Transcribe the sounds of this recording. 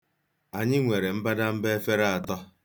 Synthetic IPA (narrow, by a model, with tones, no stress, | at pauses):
a˨ɲɪ˦ŋʷe˨ɾe˨m̩˦ba˦da˦m̩˦be˦fe˦ɾa˦a˨tɔ˦